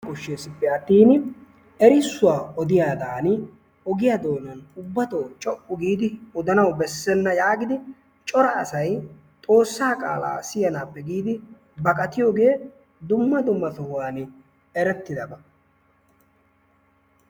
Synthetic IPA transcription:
kʊʃːeːsɪpːɛɐt̪ːiːnɪ | ɛɾɪsːʊwaːʔɔd̪ɪjaːd̪aːnɪ | ɔɡɪjad̪o̞ːnɐnʊbːɐt̪oːt͡ʃʼɔʔːʊɡiːd̪ɪɔd̪ɐnɐwbɛsːɛnːɐjaːɡɪd̪ɪ | t͡ʃʼɔɾɐːsɐj | t̪ʼo̞ːsːaːkʼa̰ːla̰ːsɪjɐnaːpːɛɡiːd̪ɪ | bɐkʼɐt̪ɪjoːɡe̞ː | d̪ʊmːɐd̪ʊmːɐsʊhʊwaːn | ɛɾɛt̪ːɪd̪ɐbɐ

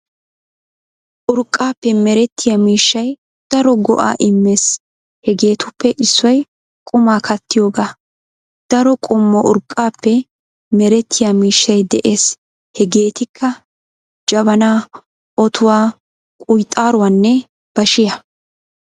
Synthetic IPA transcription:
ʔʊɾkʼːaːpːɛmɛɾɛt̪ːɪjamiːʃːɐj | d̪̥ɐɾɔɡɔ̰ʔa̰ːʔɪmːe̞ːs | hɛɡe̞ːt̪ʊpːɛʔɪsːɔj | kʼʊmaːkʰɐt̪ːɪjo̞ːɡaː | d̪̥ɐɾɔkʼɔmːɔʔʊɾkʼːaːpːɛ | mɛɾɛt̪ʰːɪjamiːʃːɐjd̪ɛʔe̞ːs | hɛɡe̞ːt̪ɪkʰːɐ | d͡ʒɐβɐnaː | ʔɔt̪ʰʊwaː | kʼʊjt̪ʼːaːɾʊwaːnːɛ | b̥ɐʃɪjɐ

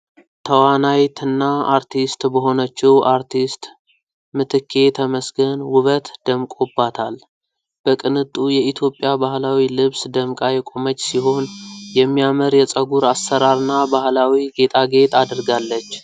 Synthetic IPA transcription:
t̪ʰəwanajt̪ʰɨnːaaɾt̪ʰist̪bəɦo̞nət͡ʃːɛwʔaɾt̪ʰist̪ | mɨt̪ʰɨkʰːe̞t̪ʰəməsɡənwʊβət̪d̪̥əmkʼobat̪ʰal | b̥əkʼɨnɨt̪ʼːujɛit̪ʰjo̞pʼːjabahlawilɨβsd̪əmkʼajɛkʼomət͡ʃʼːsiɦo̞njɛmːijaməɾjɛt͡sʼəɡuɾasːəɾaɾɨnːabahlawiɡe̞t̪ʼaɡe̞t̪ʰad̪əɾɡalːət͡ʃː

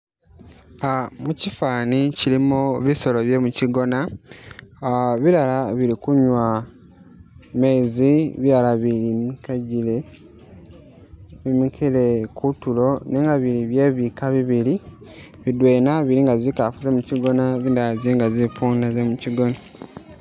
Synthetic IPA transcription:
amucifaːnicilimoβiso̞lo̞βje̞muciɡo̞na | βiɾalaβilikuɲwa | me̞ziβiɾalaβilimikaile | imikʰilekutulo̞neːŋɡaβiliβje̞βikaβiβili | βidwe̞ːnaβiɾiŋɡazikafuzemuciɡo̞naβindaziŋɡazipuːndazemuciɡo̞na

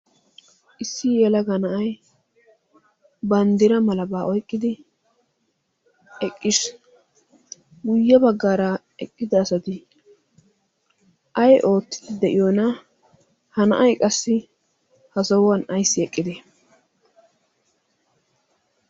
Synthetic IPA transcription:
ʔɪsːɪjɛlɐɡɐnɐʔɐj | bɐnd̪ɪɾɐmɐlɐbaːʔɔjkʼːɪd̪ɪ | ɛkʼːɪs | ɡʊjːɐbɐɡːaːɾɐ | ɛkʼːɪd̪ɐːsɐt̪ɪ | ʔɐjʔo̞ːt̪ːɪ̥d̪ɪd̪ɛʔɪjoːnɐ | hɐnɐ̰ʔɐjkʼɐsːɪ | hɐsɐwɐnɐjsːɪɛkʼːɪd̪ɪ

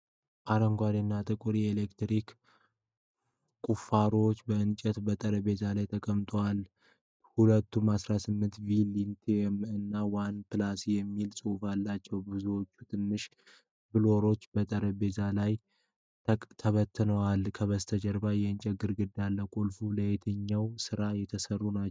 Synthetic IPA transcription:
ʔaɾəŋɡʷad̪inːat̪ʼɨkʼuɾielekt̪ɾik | kʼufaɾoot͡ʃːbəɨnt͡ʃʼɛt̪bət̪ʼəɾəbe̞t̪ʰalajt̪ʰəkʼəmt̪ʼowal | hulət̪ʰːumasɾasɨmːɨnt̪vilint̪ʰemɨnːawanpɨlasijɛmːilsʼɨwfalːat͡ʃːɛwbɨzuwo̞t͡ʃːut̪ʰɨnːɨʃ | bɨloɾo̞t͡ʃːbət̪ʼəɾəbe̞zʰalaj | t̪ʰəβət̪ʰːɨnəwalkʰəβəst̪ʰəd͡ʒəɾbajɛɨnt͡ʃʼɛɡɨɾɡɨd̪alːəkʼulfuləjet̪ʰɨɲːawsɨɾajɛt̪ʰəsərːunat͡ʃː

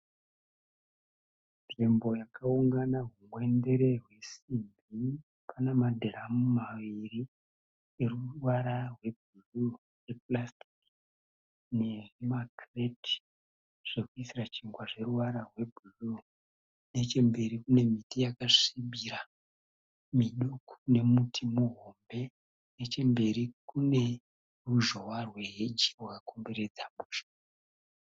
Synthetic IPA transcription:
nimbo̞jakauŋɡanaɦuŋwe̞nde̞ɾe̞ɦwe̞sibbʱi | pʰanemadʱeɾamumaʋiri | eruwaɾarwe̞b̚ʱuru | jeplasti̥k | ne̞makreti̥ | ʐ̥ekuisirat͡ʃiŋɡwaʐe̞ruwaɾarwe̞bʱuru | ne̞t͡ʃe̞mbe̞ɾikune̞mitijakaʂimbiɾa | miɗukʰu̥ne̞mutʰimuɦo̞mbe̞ | ne̞t͡ʃe̞mbe̞ɾikune̞ | ruʒowarwe̞ɦed͡ʒi̥wakakʰo̞mbe̞ɾe̞d͡zamuːʃḁ

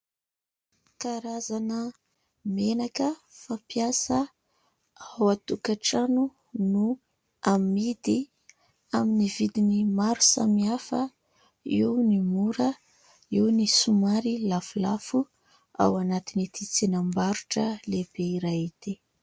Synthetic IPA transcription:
kaɾazanə | menakəfapiasə | awat̪ukaʈ͡ʂanu | nu | amid̪i | aminivid̪inimaɾu̥sa̰miafə | iwnimuɾə | iwnisumaɾilafulafu | a̰wanat̪init̪it͡sinambaɾuʈ͡ʂəlebeiɾajit̪i

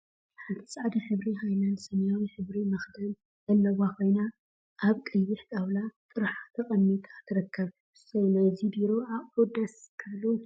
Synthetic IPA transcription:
ħant̪ʰi̥sʼaʕd̪iħɨβɾiɦajlɐnsɐmjawiħɨβɾimɐxd̪ɐl | zɐlːɐwakʰo̞jna | ʔaβkʼɨjβiħtʼawlat̪ʼɨɾħat̪ʰɐkʼɐmːit̪ʼat̪ʰɨɾɐkʰːɐβ | sɐwnajzibiɾoaβod̪ɐskʰɐlu

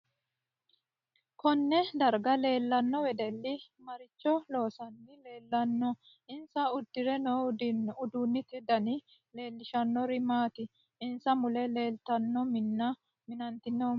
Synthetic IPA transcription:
kɔnːɛd̪ɐɾɡɐle̞ːlːɐnːɔwɛd̪ɛlːɪmɐɾɪt͡ʃːɔlo̞ːsɐnːɪle̞ːlːɐnːɔ | ʔɪnsɐʊd̪ːɪɾɛnoʊd̪uːnːɪt̪ɪd̪ɐnɪ | le̞ːlːɪʃɐnːɔɾɪmaːt̪ɪ | ɪnsɐmʊlɛle̞ːlt̪ɐnːɔmɪnːɐ | mɪnɐnt̪ɪnːo

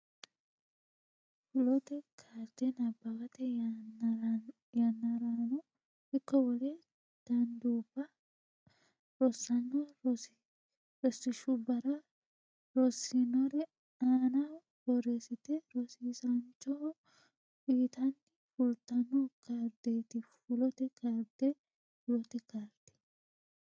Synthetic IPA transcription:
fʊlɔt̪ɛkʰaːɾt̪ɛnɐbːɐkɐt̪ɛ | jɐnːɐɾanɔ | hɪkːɔwɔlɛ | d̪̥ɐnd̪uːbːɐ | ɾɔsːɐnːɔ | ɾɔsːɪʃʊbɐɾɐ | ɾɔsːɪnɔɾɛ | aːna | bɔɾesɪt̪ɛɾɔsiːsɐnt͡ʃɔ | iːt̪ɐnːɪfʊlt̪ɐnːɔkɐɾd̪eːt̪ɪfʊlɔt̪ɛkɐɾd̪ɛ | fʊlɔt̪ɛkaɾd̪̥ɛ̥

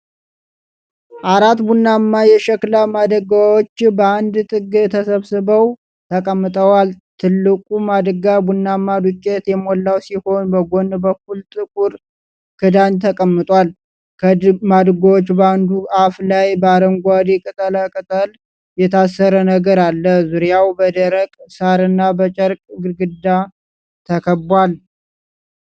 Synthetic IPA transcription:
ʔaɾat̪bunːamːajɛʃɛklamad̪əɡawot͡ʃːbəand̪t̪ʼɨɡɨt̪ʰəsəβsɨbəw | t̪ʰəkʼəmːɨt̪ʼəwalt̪ʰɨlːɨkʼumad̪əɡabunːamːad̪ukʼːet̪jɛmolːawsiho̞nbəɡo̞nbəkult̪ʼɨkʼuɾ | kʰɨd̪aɲt̪ʰəkʼəmːɨt̪ʼwal | kʰəmad̪ɡwot͡ʃːbəand̪uʔaflajbəaɾəmɡʷad̪ikʼɨt̪ʼələkʼɨt̪ʼəl | jɛt̪ʰasːəɾənəɡəɾalːəzuɾjawbəd̪əɾəkʼsaɾɨnːabət͡ʃʼəɾkʼɡɨɡɨd̪a | t̪ʰəkʰəbwal

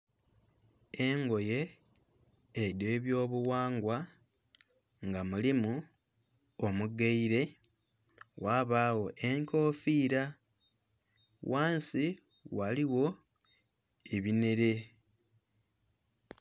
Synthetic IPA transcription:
eŋɡo̞je̞ | ɾje̞ːβjo̞ːβuwaːŋɡwa | ŋɡamulimu | omuɡeiɾe̞ | wʔaːβaːwo̞ʔe̞ŋko̞ːfiːɾa | waːnsiwaliwo̞ | eβine̞ɾe̞

